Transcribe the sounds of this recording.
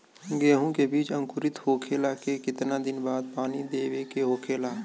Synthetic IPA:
ɡeːɦũkebiːt͡ʃə̃ŋkʊɾɪt̪hoːkʰelaːkekɪt̪nad̪ɪnbaːd̪̚paːnid̪eːʋekeɦoːkʰeːlaː

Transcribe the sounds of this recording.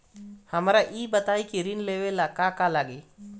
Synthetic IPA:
həmɾaʔiːbət̪aːikiɾinleʋelakakalaɡe

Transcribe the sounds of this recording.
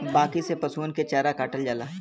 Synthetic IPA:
baːkisepɐsuːnket͡ʃaːɾakaːʈəld͡ʒaːlaː

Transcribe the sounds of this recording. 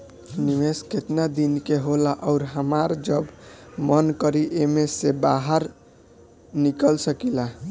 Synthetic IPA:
nimesket̪nad̪inkeɦolaʔɔʊɾɦəmaɾd͡ʒəbmənkəɾiʔemesebaɦəɾ | nikəlsəkila

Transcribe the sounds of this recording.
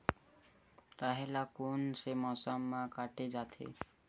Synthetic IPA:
ɾaɦelakonsemʌsʌmːakaʈed͡ʒat̪ʰḛ

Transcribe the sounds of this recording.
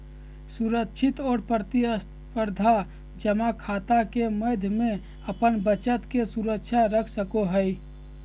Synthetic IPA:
suɾəkʃʰɪt̪ɔːɾpɾət̪iəs | pəɾd̪ʱa | d͡ʒəmakʰaːt̪akeməd̪ʱjmẽ | əpənbət͡ʃət̪kesuɾəkʃʰaɾəkʰsəkoɦəj

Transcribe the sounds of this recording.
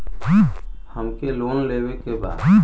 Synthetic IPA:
həmkeloːnleːwekeba̰ːd̪

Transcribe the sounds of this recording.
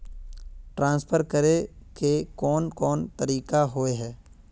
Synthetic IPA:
ʈɾãːnspʰəɾkəɾekekɔːnkɔːnt̪əɾiːkaɦoːeɦɛː

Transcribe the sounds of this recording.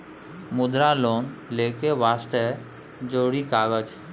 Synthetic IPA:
mʊd̪ɾalonlekeʋast̪e | d͡ʒoɽikaːɡəd͡ʒ

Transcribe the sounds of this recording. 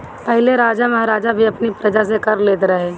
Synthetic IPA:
pɐɦleɾaːd͡ʒamɐɦaɾaːd͡ʒabʱiɐpnipɾɐd͡ʒas̬ekɐɾleːt̪ɾɐɦe

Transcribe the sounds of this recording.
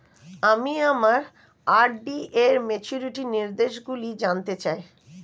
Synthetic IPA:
amiamaɾ | aɾɖieɾmet͡ɕuɾiʈiniɾd̪eʃɡulid͡ʑant̪et͡ɕae

